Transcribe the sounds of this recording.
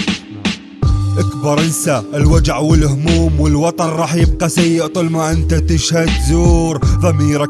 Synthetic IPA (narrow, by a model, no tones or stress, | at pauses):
ʔakbɑɾˤʔɪnsaʔɪlwad͡ʒʕwɪlhmuːmwɪlwɑt̪ˤɑnɾˤɑːħjɪb̚qɑsajːɪʔt̪ˤulmaʔɪnt̪at̪ɪʃhad̪zuːɾðˤɑmiːɾa